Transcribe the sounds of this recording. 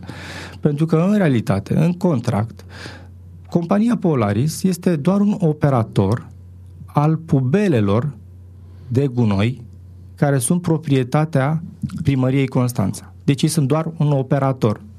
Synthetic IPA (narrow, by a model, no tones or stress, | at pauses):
pe̞nt̪ɾukəɨnɾe̞alit̪at̪e̞̰ɨŋko̞nt̪ɾa̰kt̪ | ko̞mpanijapo̞la̰ɾisje̞st̪e̞d̪oaɾuno̞pe̞ɾat̪o̞r | alpube̞le̞lo̞r | d̪e̞ɡuno̞̰j | kaɾe̞sunt̪̚pɾo̞pɾie̞t̪at̪eapɾiməɾije̞jko̞nst̪a̰nt̪sḁd̪e̞t͡ʃjejsun̚d̪oaruno̞pe̞ɾat̪o̞r